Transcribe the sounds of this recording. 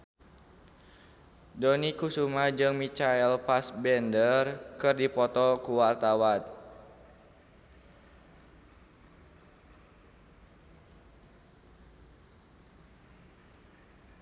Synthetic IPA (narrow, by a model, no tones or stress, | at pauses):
donikusumad͡ʒɨŋmit͡ʃaɛlpasbɛndərkɨrdipɔt̪ɔkuwart̪awan